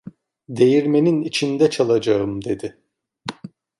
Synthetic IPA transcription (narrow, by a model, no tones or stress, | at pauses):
d̪e̞jiɾme̞ninit͡ʃʰind̪ɛt͡ʃʰalˠad͡ʒaɯmd̪e̞d̪ɪ